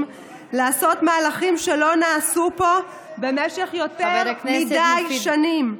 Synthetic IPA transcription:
m | laːso̞tmaːlaχimʃe̞lo̞naːsupo̞ | be̞meʃe̞χjo̞t̪eʁkmidajʃanim

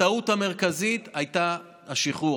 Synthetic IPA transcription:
autame̞ʁkazit̪ajt̪aː | ʃiχu

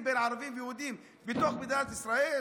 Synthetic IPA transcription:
benʕɑɾˤɑbiːmfjhuːd̪iːm | bɪt̪oːxbɪd̪ajɾt̪ʔɪsɾˤɑːʔiː

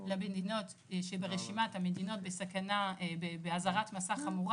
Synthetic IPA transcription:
labedino̞t | ʃebeʁeʃimathamedino̞t̚besakanabebeazaʁatmasaχamuʁ

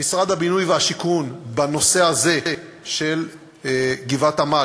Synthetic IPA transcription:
misʁad̪abinujveaʃikunbano̞se̞aze̞ | ʃe̞l | ɡivat̪ama

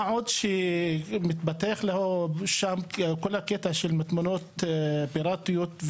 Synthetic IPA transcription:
ʕuːd̪ʃimɪt̪bat̪ːeːxlahʃaːmkʊlːakɪt̪aʃɪlmɪt̪mʊnuːt̪bɪɾˤɑːt̪ɪjut̪

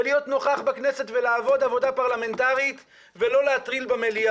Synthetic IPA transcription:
lijo̞t̪no̞χaχbaknese̞tvelaːvo̞d̪avo̞d̪apaʁlame̞ntaʁit̪ | velo̞leat̪ʁilbamelia

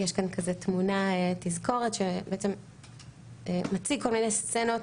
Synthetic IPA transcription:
jeʃkankazet̪munaetizko̞ʁetʃebeet͡se̞m | emat͡siko̞lminest͡senot

